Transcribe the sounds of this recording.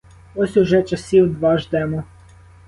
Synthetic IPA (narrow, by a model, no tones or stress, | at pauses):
ɔsʲʊʒɛt͡ʃɐsʲiwd̪ʋɑʒd̪ɛmɔ